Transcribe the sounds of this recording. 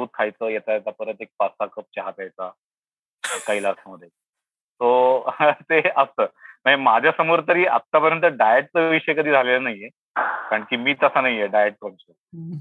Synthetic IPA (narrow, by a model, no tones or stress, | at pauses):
uːt̪̚kʰajt͡səːjet̪ajet̪apəɾət̪ek̚pasakəp̚t͡ɕaɦat̪ajt͡sa | kəiːlasaməd̪ʱːje | t̪o | t̪eəst̪əːməɳemad͡ʑʱjasəmoɾt̪əɾiːʔa̰t̪ːapəɾjənt̪̬əɾɖajeʈ̚t͡səʋiɕəjekəd̪ʱiːd͡zʱalelənaɦije | kaɾəɳkiːmiːt̪əsanaɦijeɖajeʈ̚k̪ɔnt͡sə